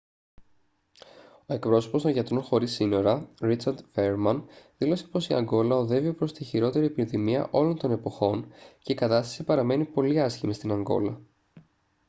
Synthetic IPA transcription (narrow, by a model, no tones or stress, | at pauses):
o̞e̞kpɾo̞so̞po̞st̪o̞nʝɐt̪ɾo̞nxo̞ɾisino̞ɾɐɾit͡sɐɾd̪ve̞ɾmɐnðilo̞se̞̥po̞siɐ̰ŋɡo̞lɐo̞ðe̞viopɾo̞st̪içiɾo̞t̪e̞ɾiepinðimiɐ̰ʔo̞lo̞nt̪o̞ne̞po̞xo̞nce̞ikɐt̪ɐst̪ɐ̥sipɐɾɐme̞nipo̞liɐscimist̪inɐŋɡo̞̰lɐ